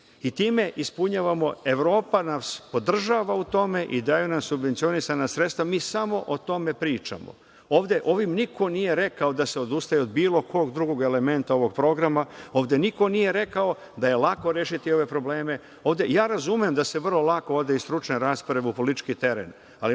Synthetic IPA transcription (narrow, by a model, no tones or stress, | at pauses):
it̪iːme̞ʔispuɲaːʋamo̞e̞ʋɾo̞ːpanaspo̞d̪r̩ʒaːʋaut̪o̞me̞ʔid̪aːjunamsubʋent̪sio̞nisanasɾet̪st̪ʋamiːsamo̞ʔot̪o̞me̞pɾiːt͡ʃa̰mo̰ | oːʋd̪e̞ʔo̞ʋimnikʰo̞nije̞ɾe̞kao̞d̪ase̞o̞d̪ust̪ajeo̞d̪biːlˠo̞kʰo̞ːɡd̪ɾuɡo̞ɡe̞le̞me̞nt̪ao̞ʋo̞ɡ̚pɾo̞ɡɾamao̞ːʋd̪e̞niko̞nije̞ɾe̞kao̞ | d̪aje̞lako̞ɾeːʃit̪io̞ʋe̞pɾo̞ble̞ːme̞ | o̞ːʋd̪e̞jaːɾazumemd̪ase̞ʋr̩lo̞lˠako̞oʋd̪e̞ist̪ɾut͡ʃneɾaspoɾeʋeupo̞lit̪i̥t͡ʃkit̪e̞ɾḛn | ali